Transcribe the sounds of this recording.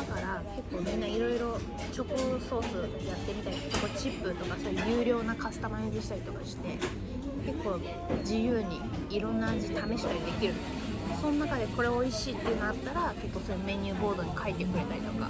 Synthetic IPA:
d̪akaɾake̞kːo̞ːmʲĩnːaiɾo̞jɾo̞ | t͡ɕo̞koso̞ːsɨjat̪ːe̞mʲit̪aiked̪oko̞t͡ɕipːɯ̟t̪o̞kaso̞ːjɯ̟jɯ̟ːɾʲjo̞ːnakasɨ̥t̪amajeb̪ɯɕi̥t̪aɾʲit̪o̞kaɕi̥t̪e̞ | ke̞kːo̞ː | d͡ʑijɯ̟ːɲ̟iː | ɾõ̞nːaad͡ʑit̪ame̞ɕi̥t̪aɾʲid̪e̞kʲiɾɯ̟t̪ | sõ̞nonakad̪e̞ko̞ɾe̞o̞iɕiːt̪ːe̞iɯ̟n̞at̪ːaɾake̞kːo̞ːsojɯmẽ̞ɲ̟ʲːɨːbo̞ːd̪o̞ɲ̟ikʰait̪ːe̞kɯ̟ɾe̞t̪aɾʲit̪o̞ka̰

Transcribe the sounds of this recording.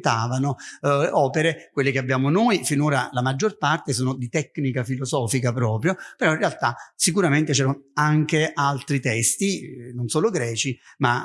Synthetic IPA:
t̪aːvanoɔːpeɾekwelːekeabːjaːmonojfinoːɾa̰lamad͡ʒːorpart̪esoːnod̪it̪ɛkːnikafilozɔːfikapɾɔːpɾjopeɾɔĩnrːealt̪asikuɾament̪et͡ʃɛːɾanaŋk̟eʔalt̪ɾit̪ɛst̪inonsoːloɡɾɛːt͡ʃima

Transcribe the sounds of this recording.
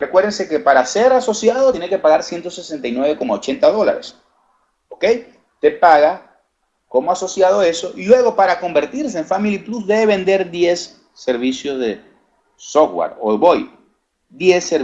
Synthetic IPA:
rekweɾðense̞ke̞paɾase̞ɾaso̞sjað̞ot̪jenekepaɣaɾsje̞nt̪o̞sesent̪ajnweβe̞ko̞maot͡ʃe̞nt̪aðo̞la̰ɾḛs | okej | t̪e̞paɣa | ko̞moaso̞sjað̞o̞e̞so̞ʔilwe̞ɣ̞o̞paɾako̞mbe̞ɾt̪iɾseeɱfamilipluzðe̞βeβe̞nd̪e̞ɾðje̞sː | e̞ɾβisjo̞zðe | sofwa̰ɾo̰βoj | ðje̞sːeɾ

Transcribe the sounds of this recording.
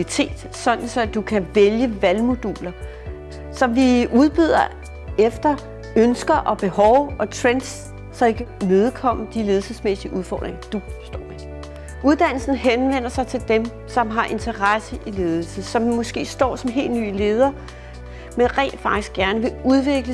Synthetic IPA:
it͡sʰe̝̰ːd̥ | sɒ̽d̥n̩sɒ̽d̥ukʰæʋeljəʋælmo̝d̥ṵːlɐ | sɒ̽mʋiuð̞ˠb̥yð̞̰ˠɐ | efd̥ɐ | ønsɡ̥ɐʔɒ̽b̥e̝hɒʊɒ̽t͡sʰʁens | sɒ̽e̝ɡ̥əne̝ð̞ˠkʰɒ̽m̰d̥ile̝ːð̞̩ˠsəsmesiəʔuð̞ˠfɒ̰ːd̥ʁeŋɐd̥ufsd̥ɒ̰ːʋi | ʔuð̞ˠd̥æn̰l̩sn̩ɦenʋen̰ɐsɑ̈ɪt͡sʰe̝ld̥em | sɒ̽mɦɑ̈ʔe̝nt͡sʰɐʁasəʔile̝ːð̞ˠl̩səsɒ̽mmːɔ̽sɡ̥e̝̰ːsd̥ɒ̰ːsɒ̽mɦe̝̰ːld̥ny̰ːle̝ːð̞ˠɐ | menʁɛ̰ːld̥fɑ̈ɡ̥d̥isɡ̥jæɐnəʋe̝uðˠʋe̝ɡ̥lə

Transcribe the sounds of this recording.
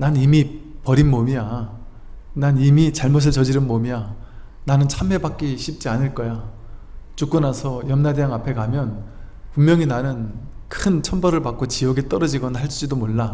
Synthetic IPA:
nanimipʌɾinmomija | nanimit͡ɕaɭmos̬ʰɯɭt͡ɕʌd͡ʑiɾɯnmomia | nanɯnt͡ɕʰame̞bak͈iɕʰip̚t͡ɕ͈ianɯɭk͈ʌja | t͡ɕuk͈ɯnasʰʌjʌmnadeaŋapʰe̞kamjʌnpummjʌŋinanɯnkʰɯnt͡ɕʰʌnbʌɾɯɭpak͈ot͡ɕijʌɡet͈ʌɾʌd͡ʑiɡʌnaɦaɭs͈ud͡ʑidomoɭːa

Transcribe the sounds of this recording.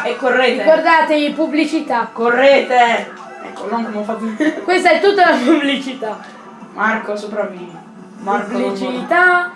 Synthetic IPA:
ɛkːorːeːt̪ekord̪aːt̪eipublit͡ʃit̪akːorːeːt̪e | ɛ̰kːolɔŋkomofat̪ːikwest̪aɛt̪ːut̪ːalapublit͡ʃit̪a | mʔarkosopɾaviːno | mablit͡ʃit̪a

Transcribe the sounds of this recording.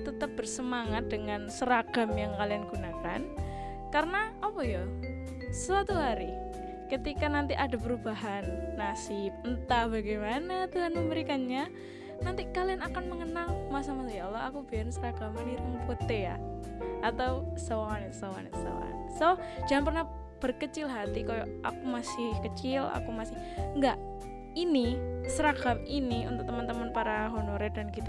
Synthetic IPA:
t̪ət̪əp̚b̥ərsəmaŋat̪̚dəŋansəɾaɡ̥a̤mjaŋkalianɡunaka̰n | kaɾənaʔapɔja | səsat̪uɦaɾi | kət̪ikanant̪iʔada̤pəɾubaɦanːasɪp̚nt̪abaɡemanat̪uɦanməmbəɾikanɲa | nant̪ikalianakanməŋənalmasamasajalːaakubiansəɾakaməniɾɪŋkot̪eja̰ | at̪awsaaŋanit̪saŋa̰nḭt̪usa̰wa̰n | soh | d͡ʒaŋanp̬ərnah | b̥ərkət͡ʃɪlɦat̪ikajoʔa̰kumasɪhkət͡ʃɪla̰kumasɪh | ŋɡaʔ | inisəɾakaminiṵnt̪ʊk̚t̪əmant̪əmanpaɾaɦonoɾedankit̪a

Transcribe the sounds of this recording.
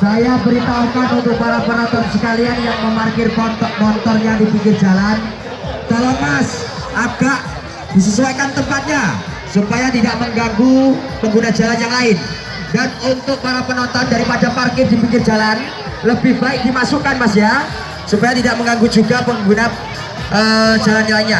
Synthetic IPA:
sajabəɾit̪aukanunt̪ʊk̚paɾapənɔnt̪ɔnsə̥kalianjaŋməmarkɪrpnt̪ɔmɔnt̪ɔrɲadipiŋkɪrd͡ʒalan | t̪alomas | ʔaɡ̥aʔ | d̥is̬əsuakant̪əmpat̪̚ɲa | supajat̪idaʔməŋɡaŋɡupəŋɡunad͡ʒalanjaŋlaɪn | danunt̪ʊk̚paɾapənɔnt̪ɔndaɾipadaparkɪrdipiŋkɪrd͡ʒalan | ləbɪhbaɪk̚dimasukanmasja | supajat̪idaʔməŋɡaŋɡud͡ʒuɡapəŋɡuna | ʔəd͡ʒalanlaiɲa

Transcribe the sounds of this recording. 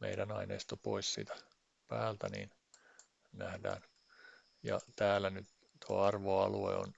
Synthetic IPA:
mʔeidænɑineist̪opoissḭːt̪æ̥ | pæːlt̪ænḭːn | næhdæ̰ːn | jɑt̪æːlænyt̪ | t̪uɑɑrʋoɑluḛo̰n

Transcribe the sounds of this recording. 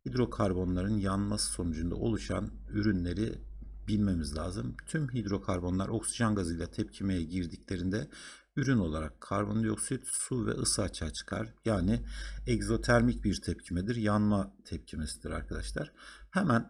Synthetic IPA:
hid̪ɾo̞kʰaɾbo̞nlˠaɾɯnjanmasɯ̥so̞nud͡ʒund̪a̰o̞̰lˠuʃa̰nyɾynlʲe̞ɾibilʲme̞mizlʲaːzɯmt̪ʰymɦid̪ɾo̞kʰaɾbo̞nlˠa̰ɾo̞ksiʒanɡazɯjlˠat̪ʰɛp̚cʰimejɛɟiɾd̪iclʲe̞ɾind̪ɛ | yɾyno̞lˠaɾakʰːaɾbo̞njo̞ksit̪suvɛ̰ɯsaat͡ʃʰaːt͡ʃʰɯ̥kʰa̰ɾ̥jaːniɛɡzo̞t̪ʰæɾmic̚biɾt̪ʰɛp̚cʰimɛd̪iɾjanmat̪ʰɛp̚cʰimesid̪iɾa̰ɾkʰad̪a̰ʃlˠaɾ̥hɛmæn

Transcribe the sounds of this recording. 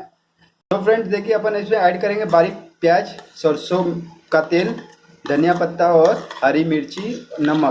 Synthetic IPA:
d͡ʒoːpʰɾẽɳʈd̪eːkiɐpənɪsmẽɛːɖkɐɾẽːŋɡebaːɾipjaːd͡ʒsəɾsokat̪eːl | d̪ʱɐnijapət̪ːaɔːɾhaːɾimɪɾt͡ʃinɐma

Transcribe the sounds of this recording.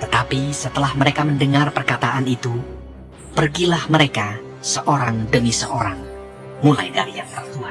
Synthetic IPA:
t̪ət̪apisət̪əlahməɾekaməndəŋarpərkat̪aʔanit̪u | pərɡilahməɾeka | səʔoɾaŋdəmisəʔoɾaŋ | mulajdaɾijaŋp̪ərt̪uan

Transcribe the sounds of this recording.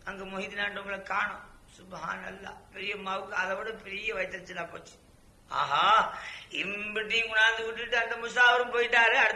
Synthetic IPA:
ɐŋɡemʊɣɪt̪ːinaːʈːɐŋɡɐɭɐkːaːɳʊ̃sʊbha̰ːnɐlːa̰ːpɛɾɪjɐmɐʋɯkːɐðɐʋɪɽɐpɛɾɪjɐʋɐɪt̪ːɐɾɐt̪ːɪlːãːpo̰ːt͡ʃːɯ̥ | a̰ːɦaːɪmbɪʈːiŋɡʊnaːnd̪ɯʋɪʈːɯʈːɯɐnd̪ɐmʊs̬aːʋɐɾɯmpoːjɪʈːaːɾɯɐɽɯ

